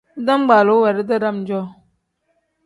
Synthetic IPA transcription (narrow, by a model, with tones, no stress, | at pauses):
da˦m˦ɡ͡ba˨lo˨˦wɛ˨ɾə˦da˦ɾa˦˨m˨d͡ʒɔ˦˨